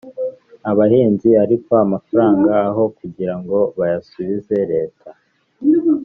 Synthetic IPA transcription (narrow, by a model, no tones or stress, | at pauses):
aβaheːnziaɾikoamafaɾaːŋɡaːɦo̞kuɟiɾaŋɡo̞βajasuβize̞ɾe̞ːtʰa